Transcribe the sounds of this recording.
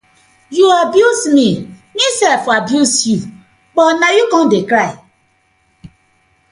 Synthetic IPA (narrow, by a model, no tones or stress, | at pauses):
juabjusmimisɛlfabjusju | bɔnajukɔ̃n̩dekɾaɪ